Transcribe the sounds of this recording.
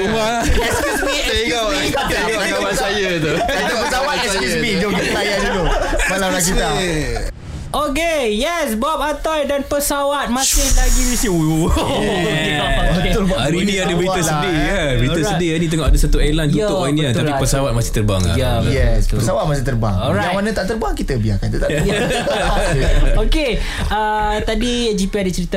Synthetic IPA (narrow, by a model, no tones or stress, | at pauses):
uma | ɛskusi | eŋa | at̪a | aasajət̪uaiapəsawat̪ɛskusmidot̪ajadit̪ubalaɾaia | ʔokejɛsbɔp̚at̪ɔjdanpəsawat̪̚mãsɪŋt̪aɡiwisi | oeaɾinĩadəbɾit̪əsədija | bɾiəssədianĩt̪̬əŋɔʔadəsat̪uɛlanuʊwaniat̪apipəsawat̪̚masɪht̪əɾba̰ŋa̰ja | jɛspəsawat̪̚masɪŋt̪əɾba̰ŋɔɾamanə̃t̪aʔt̪əɾbaŋkit̪əbia̰kanit̪ut̪aʔ | oke | a | t̪adid͡ʒipiadət͡ʃəɾit̪a